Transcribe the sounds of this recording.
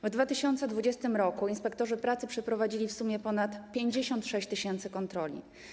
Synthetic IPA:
vd̪vat̪ɘɕɔnt̪sɛd̪vud͡ʑɛst̪ɘmɾɔkuinspɛkt̪ɔʐɘpɾat̪sɘpʂɛpɾɔvad͡ʑilʲifsumʲjɛpɔnat̪pʲjeɲd͡ʑeɕɔnt̪ʂɛɕt͡ɕt̪ɘɕɛnt̪sɘkɔnt̪ɾɔlʲḭ

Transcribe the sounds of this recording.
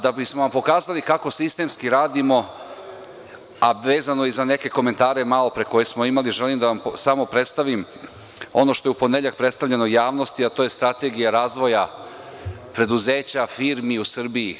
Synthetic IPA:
d̪abismoʋampo̞kaːzalikako̞sist̪e̞mskiɾaːd̪imo̞ | aʋe̞ːzano̞izane̞ke̞ko̞me̞nt̪aːɾe̞malo̞pɾeko̞jesmo̞imaliʒe̞limd̪aʋamsamo̞pɾe̞t̪st̪aʋim | o̞no̞ʃt̪o̞jupo̞neʎak̚pɾet̪st̪aʋʎe̞nojaːʋno̞st̪iat̪oːje̞st̪ɾat̪e̞ɡijaɾaːzʋo̞ja | pɾe̞d̪uzeːt͡ɕafiːɾmiusr̩bii

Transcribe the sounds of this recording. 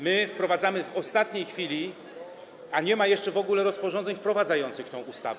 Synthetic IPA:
mɘfpɾɔvad̪zamɘvɔst̪at̪ɲejxfʲilʲi | aɲɛmajɛʂt͡ʂɛvɔɡulɛɾɔspɔʐɔ̃nd̪zɛɲfpɾɔvad̪zajɔnt̪sɘxt̪ɛ̃w̃ʔust̪a̰vɛ

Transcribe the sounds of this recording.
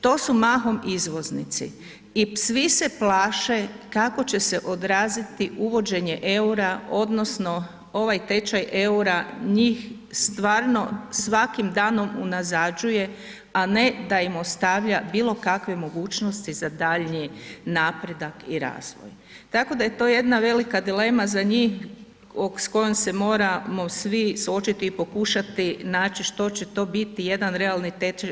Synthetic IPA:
t̪o̞ːsumaːɦo̞mizʋo̞znit̪sḭ | isʋise̞plaːʃekako̞t͡ɕe̞se̞ʔo̞d̪ɾaːzit̪iuʋo̞d͡ʒe̞ɲe̞ʔe̞uɾao̞d̪no̞sno̞ | o̞ʋajt̪e̞t͡ʃaje̞uɾaɲiːx | st̪ʋaːɾno̞sʋakimd̪aːno̞munazad͡ʒuje̞ | ane̞d̪aimo̞st̪aʋʎabiːlˠo̞kakʋe̞mo̞ɡuːt͡ʃno̞st̪izad̪aʎɲinaːpɾe̞d̪akiɾa̰ːzʋo̰j | t̪ako̞d̪aje̞t̪o̞ːje̞d̪naʋe̞likad̪ile̞ːmazaɲiːx | oksko̞jomse̞mo̞ːɾamo̞sʋisuo̞t͡ʃit̪iːpo̞kuʃat̪inaːt͡ɕiʃt̪o̞t͡ɕe̞t̪o̞ːbit̪ije̞d̪anɾe̞alˠnit̪et͡ʃa

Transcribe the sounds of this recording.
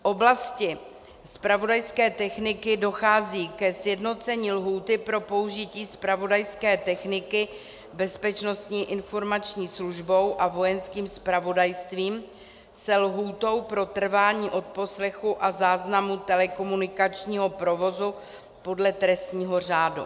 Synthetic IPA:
ʔo̞blascɪ | spɾavo̞dajskɛːt̪ɛxnɪkɪdo̞xaːziːkɛsjɛdno̞t͡sɛɲiːlɦuːt̪ɪpɾo̞po̞uʒɪciːspɾavo̞dajskɛːt̪ɛxnɪkɪ | bɛspɛt͡ʃno̞st̪ɲiːʔɪnfo̞ɾmat͡ʃɲiːsluʒbo̞wʔavo̞jɛnskiːmspɾavo̞dajst̪viːm | sɛlɦuːt̪o̞wpɾo̞t̪r̩vaːɲiːʔo̞t̪̚po̞slɛxuʔazaːznamut̪ɛlɛko̞munɪkat͡ʃɲiːɦo̞pɾo̞vo̞zu | po̞dlɛt̪ɾɛst̪ɲiːɦo̞r̝aːdṵ

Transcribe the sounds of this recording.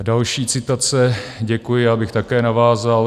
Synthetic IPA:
dalʃiːt͡sɪt̪at͡sɛɟɛkujɪjaːbɪxt̪akɛːnavaːzal

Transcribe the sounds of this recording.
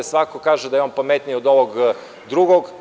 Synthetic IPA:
sʋakokaʒed̪ajeompamet̪niod̪oʋoɡ | d̪ɾuɡoɡ

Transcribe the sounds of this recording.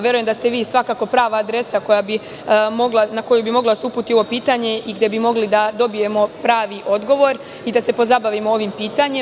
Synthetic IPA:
je̞ɾujemd̪ast̪e̞ʋiːsʋakako̞pɾaːʋaːd̪ɾe̞sako̞jabi | mo̞ɡlanako̞jubimo̞ɡlˠad̪aseupuːt̪io̞ʋo̞piːt̪aɲe̞ʔiɡd̪e̞bimo̞ɡlid̪ad̪o̞bije̞mo̞pɾaːʋiʔo̞d̪ɡo̞ʋo̞ɾ | id̪ase̞po̞zabaʋimooːʋimpiːt̪aɲe

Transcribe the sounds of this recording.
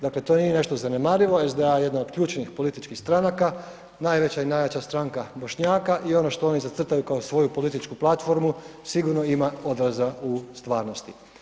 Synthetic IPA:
d̪akle̞t̪o̞nije̞ne̞ʃt̪o̞zane̞maːɾiʋo̞ezd̪eajjed̪nao̥kʎuːt͡ʃnixpo̞lit̪it͡ʃkixst̪ɾanaka | najʋe̞t͡ɕainajʋet͡ɕast̪ɾaŋkabo̞ʃɲaːkaʔio̞noʃt̪o̞o̞nizat̪r̩t̪ajukaosʋo̞jupo̞lit̪it͡ʃkuplˠat̪fo̞ɾmusiɡuɾno̞imao̞d̪ɾazaust̪ʋaːɾno̞st̪i

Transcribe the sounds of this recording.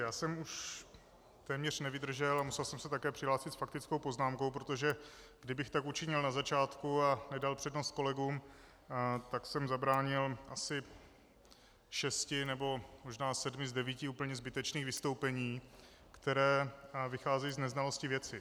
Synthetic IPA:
jaːsɛmuʃ | t̪ɛːmɲɛr̝̥nɛvɪd̪r̩ʒɛlamusɛlsɛmsɛt̪akɛːpr̥ɪɦlaːsɪt̪sfak̚t̪ɪt͡skowpo̞znaːmko̞wpɾot̪o̞ʒɛɡ̥dɪbɪxt̪akut͡ʃɪɲɪlnazat͡ʃaːt̪kuanɛdalpr̥ɛdno̞st̪̚ko̞lɛɡuːm | t̪aksɛmzabɾaːɲɪlʔasɪ | ʃɛscɪnɛbo̞mo̞ʒnaːsɛdmɪzdɛviːcɪuːpl̩ɲɛzbɪt̪ɛt͡ʃniːɣvɪst̪o̞wpɛɲiː | kt̪ɛɾɛːvɪxaːzɛjiːznɛznalo̞scɪvjɛt͡sɪ

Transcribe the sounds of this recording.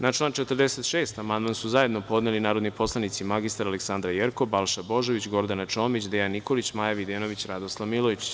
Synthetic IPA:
nat͡ʃlˠaːnt͡ʃet̪ərɾd̪ese̞t̪ʃeːst̪amand̪mansuzaje̞d̪no̞po̞d̪nelinaːɾo̞d̪nipo̞slˠanit̪simaɡist̪aɾaleksand̪ɾajeɾkobalˠʃabo̞ʒeʋit͡ɕɡo̞ɾd̪anat͡ʃo̞ːmit͡ɕd̪ejanːiko̞lit͡ɕmajaʋid̪eːno̞ʋit͡ɕɾad̪oslˠaʋmiloit͡ɕ

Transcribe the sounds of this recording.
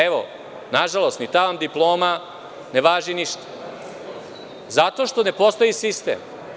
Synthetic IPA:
eʋo̰ | naʒalˠo̞st̪nit̪aʋamd̪iplˠo̞ːma | neʋaːʒiniʃt̪ḁ | zat̪o̞ʃt̪o̞ne̞po̞st̪o̞jisist̪ḛm

